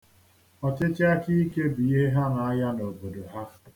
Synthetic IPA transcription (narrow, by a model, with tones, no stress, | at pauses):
ɔ˨t͡ʃɪ˦t͡ʃɪ˦a˦ki˦i˦ke˦bi˨e˦ɦa˦na˨a˦ja˦no˨bo˨do˨ɦa˦